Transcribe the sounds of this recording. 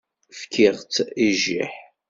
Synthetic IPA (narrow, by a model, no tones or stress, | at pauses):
fkʰiʁt͡siʒḭħ